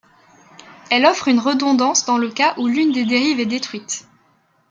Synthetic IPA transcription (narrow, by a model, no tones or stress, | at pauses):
ɛlɔfχynʁəd̪ɔ̃d̪ɑ̃sd̪ɑ̃ləkaʔulynd̪ed̪eʁivɛd̪et̪χɥit̪